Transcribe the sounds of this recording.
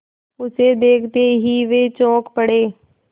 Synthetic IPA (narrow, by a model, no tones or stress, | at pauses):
ʊsed̪eːkʰt̪eɦiʋeːt͡ʃɔ̃ːkpəɽeː